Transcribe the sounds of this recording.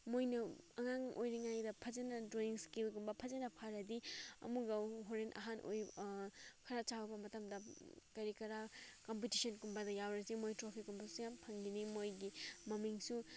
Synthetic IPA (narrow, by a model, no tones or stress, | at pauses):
mojnɐɐŋaŋo̰jɾiŋajdɐpʰɐzɐnɐdɾoiŋskilɡumbɐpʰɐzɐnɐpʰaɾɐdiɐ̰muɡɐɦoɾenʔɐ̰ɦanʔo̰j | kʰɐɾat͡ʃawbɐmɐtɐmdɐkɐɾikɐɾakompitisɐnkumbɐdɐjawɾɐsimojtɾopʰikunbɐsujampʰɐŋɡinimojɡimɐmiŋsu